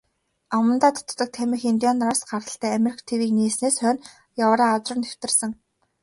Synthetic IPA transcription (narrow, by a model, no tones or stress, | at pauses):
amə̆nt̪aːt̪ʰɔ̥t̪̆t̪ːɞ̆k̚t̪ʰæmʲĭxint̪jɔnraːsɢarə̆ɬt̪ʰæːameɾikʰt̪ʰewiːkniːsneːsœːn | jawəɾaːat͡srə̆nt̪ew̥t̪ɘ̆rsə̆ŋ